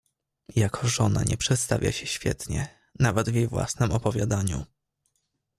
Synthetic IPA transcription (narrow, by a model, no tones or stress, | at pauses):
jakʰɔʐɔna̰ɲʔɛpʂɛt̪st̪avʲja̰ɕɛɕfʲjɛ̰t̪ɲɛ | navɛd̪vjejvwa̰snɛmɔpɔvʲjad̪aɲṵ